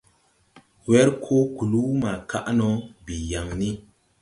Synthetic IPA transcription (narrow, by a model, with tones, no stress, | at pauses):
wɛ˦ɾkʰo˦ku˨lu˦ma˨ka˦ʔnɔ˨bi˨ja˨ŋni˦